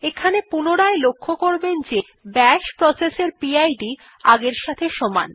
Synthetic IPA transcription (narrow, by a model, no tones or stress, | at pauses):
ekʰanepunoɽaelokʰːokoɾbend͡ʑe | bɛʃpɾɔseseɾpiajɖi | aɡeɾʃat̪ʰeʃɔma̰n